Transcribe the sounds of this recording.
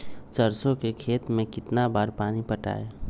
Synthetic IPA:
t͡ʃəɾsõkekʰeːt̪mẽkɪt̪nabaːɾpaːnipəʈa̰ːe

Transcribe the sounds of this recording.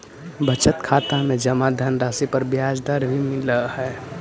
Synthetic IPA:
bət͡ʃət̪kʰaːt̪amẽd͡ʒəmad̪ʱənɾaːsipəɾbjaːd͡ʒd̪aɾbʱimɪləhɛ

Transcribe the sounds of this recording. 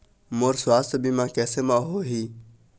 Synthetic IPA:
moːɾsʊwaːst̪bʱiːmãːkɛːseːmãːɦoːɦiː

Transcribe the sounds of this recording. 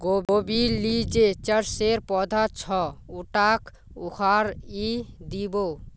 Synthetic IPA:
ɡoobilid͡ʒet͡ʃəɾseɾpɔd̪ʱat͡ʃʰɔuʈak | ukʰaɾid̪ibo

